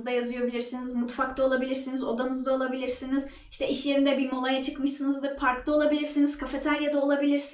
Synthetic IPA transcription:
zd̪ajazɯjo̞bilʲiɾsinizmut̪fakt̪ˠao̞lˠabilʲiɾsinizo̞d̪anɯzd̪ao̞lˠabilʲiɾsiniz̥ | iʃt̪ʰɛiʃlʲe̞ɾind̪ɛbimo̞lˠajat͡ʃʰɯkmɯʃsɯnɯzd̪ɯpʰaɾklˠao̞lˠabilʲiɾsiniz̥kʰafet̪ʰæɾjad̪ao̞lˠabilʲiɾs

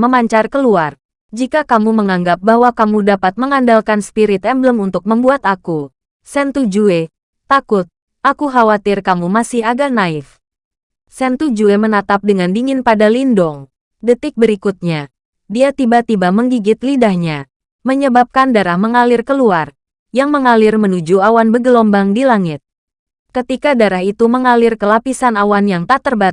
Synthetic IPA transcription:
məmaɲt͡ʃarkəluar | d͡ʒikakamuməŋaŋɡap̚baɦwakamudapat̪̚məŋandalkanspiɾɪt̪ɛmbləmunt̪ʊk̚məmbuat̪aku | sɛnt̪ud͡ʒue | t̪akʊt̪̚ | ʔakuɦawat̪ɪrkamumasɪɦaɡanaɪf | sɛnt̪ud͡ʒuemənat̪ap̚dəŋandiŋɪnpadalindɔŋ | dət̪ɪk̚bəɾikut̪̚ɲa | diat̪ibat̪ibaməŋɡiɡɪt̪lidahɲa | məɲəbap̚kandaɾahməŋalɪrkəluar | jaŋməŋalɪrmənud͡ʒuawanbəɡəlɔmbaŋdilaŋɪt̪̚ | kət̪ikadaɾahit̪uməŋalɪrkəlapisanawanjaŋt̪aʔt̪ərbat̪̚

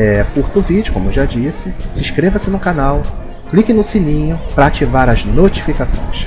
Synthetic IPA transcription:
ɛkuɾt̪ʊvid͡ʒʊkõmʊeʒad͡ʒisɪsĩʃkɾevɐsɪnũkanaw | klikɪnʊsinĩɲʊpɾɐat͡ʃivaɾɐznot͡ʃi̥fikasõ̰j̃s

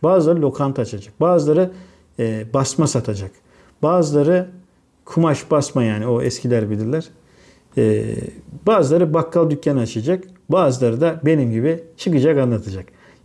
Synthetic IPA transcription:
baːzɯlˠaɾɯlʲo̞kʰant̪ʰat͡ʃʰad͡ʒak̚baːzɯlˠaɾɯː | basmasat̪ʰad͡ʒak | b̥aːzɯlˠaɾɯ | kʰumaʃbasmajaːnioɛ̰scʲʰilʲæɾbilʲiɾlʲæɾ̥ | ɛ̰ːbaːzɯlˠaɾɯbakʰːalˠd̪ycʰːanat͡ʃʰɯjad͡ʒakbaːzɯlˠaɾɯd̪abe̞nimɟibit͡ʃʰɯkɯd͡ʒakanlˠat̪ʰad͡ʒak

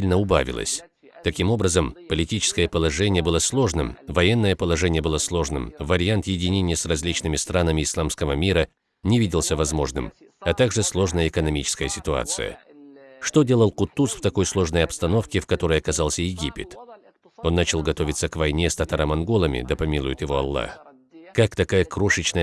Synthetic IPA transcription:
ilʲnəʊba̰vʲɪ̰lˠə̰sʲ | t̪ɐkʲimo̞bɾəzəmpəlʲɪtʲit͡ɕɪ̥skəjəpəlˠɐʐɛnʲɪjəbɨlˠəslˠo̞ʐnɨmvɐjɛnːəjəpəlˠɐʐɛnʲɪjəbɨlˠəslˠo̞ʐnɨ̰mvəɾʲɪant̪jɪdʲɪnʲenʲɪjəsrɐzʲlʲit͡ɕnɨmʲɪst̪ɾanəmʲɪɪslˠamskəvəmʲiɾə | nʲɪvʲidʲɪlˠsʲəvɐzmo̞ʐnɨ̰m | ɐt̪aɡʐɨslˠo̞ʐnəjəɪkənɐmʲit͡ɕɪ̥skəjəsʲɪt̪ʊa̰t̪sɨ̰jə̰ | ʂt̪odʲe̞lˠəlˠqʊt̪ːusft̪ɐko̞jslˠo̞ʐnəjɐpst̪ɐno̞fkʲɪfkɐt̪o̞ɾəjɐkɐzalˠsʲəjɪɡʲipʲɪ̰t̪ | o̞nːat͡ɕɪlˠɡɐt̪o̞vʲɪt̪səkvɐjnʲest̪ɐt̪aɾamɐnɡo̞lˠəmʲɪ̰d̪əpɐmʲilˠʊjɪt̪jɪvo̞ɐ̰lˠːa̰x | kakt̪ɐkajəkɾoʂɨt͡ɕnə

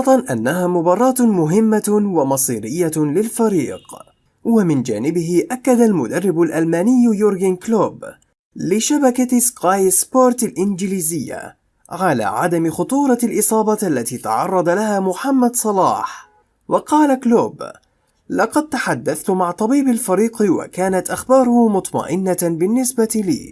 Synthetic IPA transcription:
ɑt̪ˤɑnʔanːaɦaːmʊbɑːrˤːɑːt̪mʊɦɪmːawamɑsˤiːɾɪjːalɪlfaɾḭːq | wamɪnd͡ʒa̰ːnɪbɪɦɪʔakːad̪almʊd̪arːɪbʊlʔalmaːnɪjːjʊɾɡɪnkloːb | lɪʃabakaskajspoːɾˤt̪alʔɪnd͡ʒɪliːzɪjːa̰ | ʕala̰ːʕa̰d̪amɪxʊt̪ˤuːɾˤɑalʔɨsˤɑːbɑʔalːat̪iːt̪ɑ̰ʕɑ̰rˤːɑd̪alahaːmʊħamːad̪sˤɑlɑ̰ːħ | wʔɑqɑːlakloːb | lɑqɑd̪̚t̪aħad̪ːaθt̪ʊmaʕt̪ˤɑbiːbalfaɾiːqwa̰kaːnat̪ʔaxbɑːɾʊhmʊt̪ˤmɑ̰ʔɪnːabɪnːɪsbat̪ilḭː

